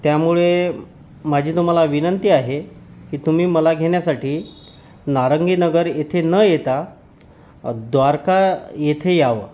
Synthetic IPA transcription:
t̪jamuɭe | mad͡ʑʱiːt̪um̤alaʋinənt̪iːaɦekiːt̪um̤iːməlaɡʱeɳ̃jasaʈiː | naɾəŋɡiːnəɡəɾjet̪ʰenəjet̪a | d̪ʋaɾkajet̪ʰejaʋə̰

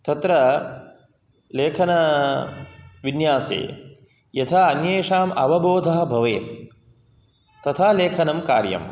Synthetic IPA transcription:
t̪ɐt̪ɾɐ | leːkʰɐnɐ | ʋinjaːsḛː | jɐt̪ʰaːɐnjeːʂaːmɐʋɐboːd̪ʱɐɦɐbʱɐʋeːt̪ | ɐt̪ʰaːleːkʰɐnɐmkaːɾjɐ̰m

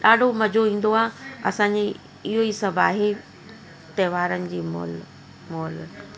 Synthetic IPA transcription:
ɗaːɖʱomɐd͡ʑʱoĩːn̆d̪oaːɦɐsãɲd͡ʑi | ɪɦoisɐbʱaːɦe | t̪ɐɦːʋaːɾənɪ̆d͡ʑiːmo̰ːl | moːl

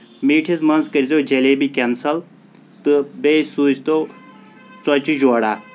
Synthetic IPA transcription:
miːʈʰizmɐnzkɐɾizoːd͡ʒɐleːbikʲensɐl | t̪ɨbesuːt͡ʃt̪oː | t͡sɔt͡ʃud͡ʒoːɽaː

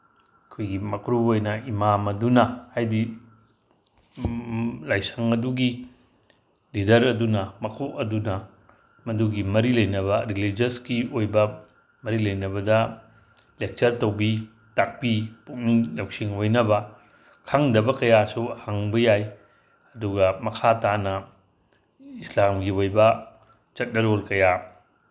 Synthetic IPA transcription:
ɐkʰojɡimɐkʰɾuojnɐimamɐdunɐhajdi | lajsɐŋɐduɡi | lidɐɾɐdunɐmɐkʰoʔɐdunɐ | mɐduɡimɐɾilɐjnɐβɐɾilid͡ʒɐskiojbɐ | mɐɾilɐjnɐβɐdɐ | lek̚t͡ʃɐɾtɐwbi | tak̚pipuk̚niŋlɐwk̚siŋojnɐbɐ | kʰaŋdɐbɐkɐjasuhaŋbɐjaj | ɐduɡɐmɐkʰatanɐ | islamɡiojbɐ | t͡ʃɐt̚nɐɾolkɐja

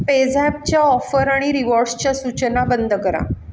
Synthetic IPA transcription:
ped͡zɛp̚t͡ɕjaɔfəɾaɽ̃iɾiʋɔɾɖst͡ɕjasut͡ɕənabənd̪ʱəkəɾa̰

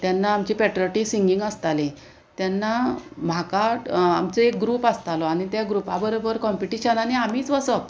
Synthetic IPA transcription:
t̪janːaːmt͡ɕipɛʈɾɔʈisiŋɡiŋɡəst̪ali | t̪janːam̤akaʈamt͡seek̚ɡɾuːpast̪alɔaɽ̃it̪jaɡɾupabəɾobəɾkɔmpiʈiɕənaneamiːt͡sʋəsət

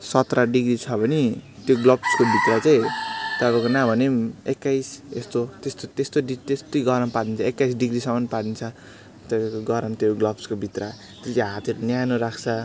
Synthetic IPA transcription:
sʌt̪raɖiɡrit͡sʰʌbʱʌnit̪joɡlʌbskobʱit̪rat͡saĩt̪ʌbakonabʱʌnemekːajsest̪ot̪est̪ot̪est̪oɖit̪est̪ojɡʌɾʌmpad̪int͡sʰʌekːajsɖiɡrisʌmːʌnpad̪int͡sʰʌ | t̪ʌbakoɡʌɾʌnt̪joɡlʌbskobʱit̪ra | t̪est͡seɦat̪ʰeɾunjanoɾakʰt͡sʰʌ

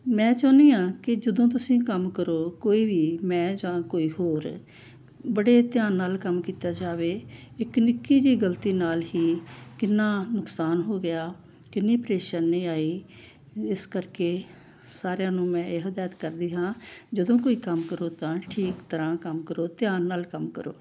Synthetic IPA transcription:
mɛ̃ːt͡ʃaːniːãːkɪd͡ʒəd̪õːt̪̬ʊsĩːkəmkəɾoːkoːiːʋiːmɛ̃ːd͡ʒãːkoːiːɦoːɾ | bəɽeːt̪ɪjaːnːaːlkəmkiːt̪aːd͡ʒaːʋeːɪknɪkːiːd͡ʒiːɡəlt̪iːnaːlɦiːkɪnːaːnʊksaːnɦoːɡɪjaː | kɪnːiːpɾeːʃəɾneiːaːiː | ɪskəɾkeː | saːɾejãːnũːmɛ̃ːeːɦəd̪aːjət̪kəɾd̪iːɦãːd͡ʒəd̪õːkoːiːkəmkəɾoːt̪ãːʈʰiːkt̪əɾãːkəmkəɾoːt̪jaːnːaːlkəmkə̰ɾo̰ː

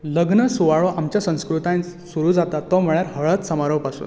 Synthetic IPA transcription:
ləɡnəsuʋaɭoʔamt͡ɕjasə̃w̃skɾut̪ãsuɾuːd͡zat̪at̪ːom̤əɭjaɾɦəɭət̪səmaɾopasṵːn

